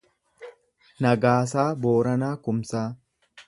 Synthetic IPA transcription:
nɐɡaːs̬aːboːɾɐnaːkʊmsaː

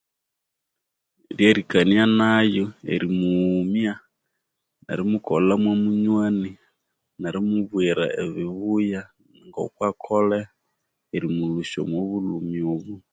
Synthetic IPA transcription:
ljeɾikanianajoḛɾimuːmja | na̰ɾimukolamwomuɲwani | naɾimuβwiɾa̰eβiβuja | ŋɡo̰kwakʰole | eɾimuluʃo̰mwoβulumiuβu

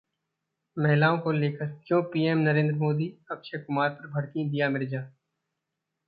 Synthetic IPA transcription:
mɛɦlaːõkoleːkʰəɾkjõːpiːeːmnɐɾẽːnd̪ɾəmoːd̪iɐbʃekʊmaːɾpɐɾbʱɐɽkĩd̪ijamɪɾd͡ʒaː

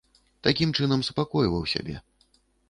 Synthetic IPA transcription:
t̪akʲimt͡ʂɨnɐmsupakɔjvɐwsʲa̰bʲɛ̰

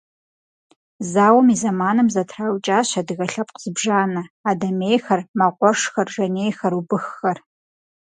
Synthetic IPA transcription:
zaːwɐmizɐmaːnɨmzɐtʰrawt͡ʃʼaːɕɐdɨɣɐɬɐpqz̥ɨbʒaːnɐaːdɐmejxɐrmɐqʷɔʂxɐrʒɐnejxɐɾubɨxːɐr

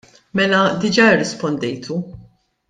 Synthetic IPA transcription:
mɛlɐd̪ɪd͡ʒɐɪrːɪspɔnd̪ɛjt̪ʰu

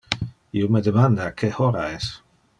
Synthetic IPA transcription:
iomed̪emand̪akʰehoɾaɛs

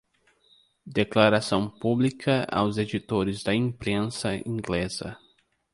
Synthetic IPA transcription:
d̪eklaɾasɐ̃w̃publikʰɐa̰wzed͡ʒit̪oɾɪzd̪ɐĩpɾẽsɐḭ̃ŋɡlez̥ɐ̰

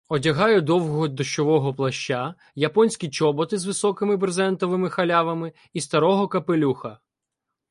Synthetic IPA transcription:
ɔdʲɐɦɑjʊd̪ɔwɦɔɦɔd̪ɔʃt͡ʃɔʋɔɦɔplˠɐʃt͡ʃːa | jɐpɔnʲsʲkʲit͡ʃɔbɔt̪ɪzʋɪsɔkɪmɪbrzɛnt̪ɔʋɪmɪxɐlʲaʋɐmɪ | ist̪ɐɾɔɦɔkɐpɪlʲuxɐ

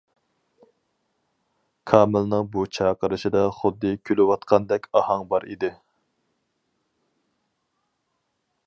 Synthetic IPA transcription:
kʰɑːmɪlnɨŋbut͡ʃʰɑːqəɾɨʃɪd̪ɑχʊd̪ːɨkʲʰølɪwɑt̪qʰɑnd̪ɛkʲɑhɑŋbɑɾʔḭd̪ɪ

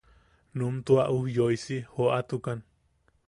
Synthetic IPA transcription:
numt̪uaʔuhjojsihoat̪ukan

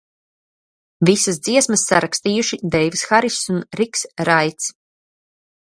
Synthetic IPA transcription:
visas̬d̪z̥iɛsmɐsːaɾakst̪iːjuʃid̪ɛjvisxaɾisunɾiksɾajt̪s

